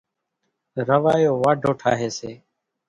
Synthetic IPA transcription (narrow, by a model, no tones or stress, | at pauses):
ɾəʋaːjoːʋaːɖʱoːʈʰa̰ːɦeːseː